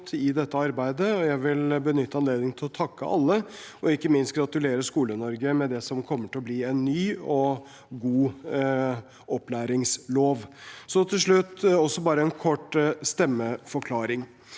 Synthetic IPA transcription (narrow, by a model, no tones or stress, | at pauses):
t̪ʰɪd̪ɛt̪ːəɑɾbæɪd̪əɔjæɪʋɪlbənʏt̪ːəɑnleːd̪nɪŋt̪ʰɪlɔt̪ʰɑkːə̰ʔɑ̰lːəʔɔɪkːəmɪnst̪̚ɡɾɑt̪ʉleːɾəskuːlənɔɾɡəmɛd̪ɛsɔmkʰɔmːəʈɪlɔbliːɛnːyːɔ | ɡuː | ʔɔplæːɾɪŋsloːʋsɔt̪ʰɪlʂɭʉt̪ːɔsːɔbɑːɾəɛnkʰɔʈːst̪ɛmːəfɔɾkʰlɑːɾɪŋ